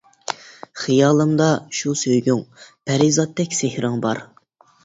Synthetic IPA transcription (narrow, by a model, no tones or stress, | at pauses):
χijɑːlˠɨmd̪ɑʃusøjɡʲyŋpʰæɾizɑt̪ʰːɛkʲsɪhɾɪŋbɑɾ